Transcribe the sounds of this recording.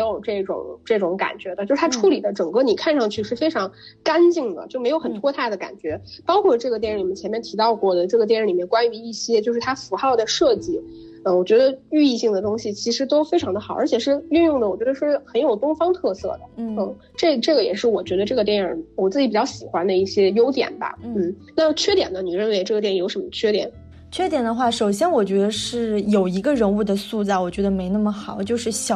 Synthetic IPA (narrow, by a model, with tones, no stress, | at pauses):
jo˨˩ʊʈ͡ʂɤ˥˩ʈ͡ʂʊ̰˨˩˦ŋʈ͡ʂɤ˥˩ʈ͡ʂʊ˧˥ŋka̰˨˩nt͡ɕɥɛ˧˥d̪ə˧t͡ɕjʂɻ̩˥t̪ʰa˥ʈ͡ʂʰu˧˥li˨˩d̪ə˦ʈ͡ʂɤ˨˩ŋkɤ˥˩ni˨˩kʰa˥˧nʂɑ˥˧ŋt͡ɕʰy˥˧ʂɻ̩˥˩fe˥ɪʈ͡ʂʰɑ˧˥ŋ | ka˥nt͡ɕi˥˩ŋd̪ə̰˩t͡ɕjo˥˩ʊme˧˥jo˧˥ʊxə˨˩nt̪ʰwɔ˥t̪ʰa˥˩ɪd̪ə˩ka̰˨˩nt͡ɕɥɛ˧˥pɑ˥ʊkʰwɔ˥˧ʈ͡ʂɤ˥˩ɡə˩t̪̬jɛ˥˧nɻ̩˥˧i˨˩ɛ˥˩t͡ɕʰjɛ˧˥mjɛ˥˩nt̪ʰi˧˥t̪ɑ˥˧ʊkwɔ˥˩d̪ə˩ʈ͡ʂɤ˥˩ɡə˩jɛ˥˧ɻə˧˥˩li˨˩jɛ˥˩nkwa˥ny˧˥i˥˩ɕjɛ˥t͡ɕjo˥˧ʊʂɻ̩˥˩t̪ʰa˥fu˧˥xɑ˥˩ʊd̪ə˩ʂɤ˥˧t͡ɕi˥˩ | ə˩wɔ˨˩t͡ɕɥɛ˧˥d̪ə˧y˥˧i˥˧ɕi˥˩ŋd̪ə˩t̪ʊ˥ŋɕi˨˩t͡ɕʰi˧˥ʂɻ̩˧˥t̪o˥ʊfe˥ɪʈ͡ʂʰɑ˧˥ŋd̪ə˧xɑ˨˩˦ə̰˞˧˥t͡ɕʰjɛ˨˩ʂɻ̩˥˧y˥˧njʊ˥˩ŋd̪ə˩wɔ˨˩t͡ɕɥɛ˧˥ə˧ʂɻ̩˥˩xə˧˥njo˨˩ʊt̪ʊ˥ŋfɑ˥ŋt̪ʰɤ˥˧sɤ̰˥˩d̪ə̰˩n˥n̩˥˩ | ʈ͡ʂɤ˥˩ʈ͡ʂɤ˥˩ɡə˩jɛ˨˩ʂɻ̩˥˩wɔ˨˩t͡ɕɥɛ˧˥d̪ə˧ʈ͡ʂɤ˥˩ɡə˩t̪jɛ˥˩nə˞˨˩wɔ˨˩t͡sɹ̩˥˩t͡ɕi˧˥pt͡ɕɑ˥˩ʊɕi˨˩xwa˥nd̪ə˧i˥˩ɕjɛ˥jo˥ʊt̪jɛ̰˨˩nbɐ̰˧n̩˥˩na˥˩t͡ɕʰɥɛ˥t̪jɛ̰˨˩nd̪ə˦ni˨˩ɻə˥˩nwe˧˥ɪʈ͡ʂɤ˥˩ɡə˩t̪jɛ˥˩njo˧˥ʊʂə˧˥nmə˧t͡ɕʰɥɛ˥t̪jɛ̰˨˩˦n | t͡ɕʰɥɛ˥t̪jɛ˨˩nd̪ə˦xwa˥˩ʂo˨˩ʊɕjɛ˥nwɔ˨˩t͡ɕɥɛ˧˥d̪ə˧ʂɻ̩˥˩jo˨˩ʊi˧˥ɡə˧ɻə˧˥nu˥˩d̪ə˨˩su˥˧t͡sa˥˩ɪwɔ˨˩t͡ɕɥɛ˧˥d̪ə˧me˧˥ɪna˥˩mə˩xɑ˨˩˦ʊt͡ɕjo˥˧ʊʂɻ̩˥˩ɕjɑ˨˩